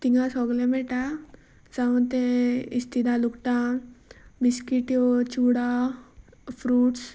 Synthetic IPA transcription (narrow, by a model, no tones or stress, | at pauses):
t̪iŋɡasɔɡlemeʈa | saũnt̪eist̪id̪alukʈ̪ã | biskiʈjot͡ʃuɽa | pʰɾuːʈs